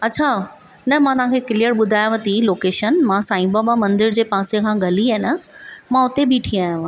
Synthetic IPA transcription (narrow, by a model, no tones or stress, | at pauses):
ɐtːt͡ɕʰa | nɐmãt̪ɐʋɦãkʰekɪlijəɾɓʊd̪ʱaːjaʋɐ̃t̪iloːkeːʃənmãsãːĩbabamɐ̃nd̪ɪɾd͡ʑeːpãːsekʰãːɡɐliaɦɪnəmãʊt̪ebʱiʈʰĩaːjãʋ̤ã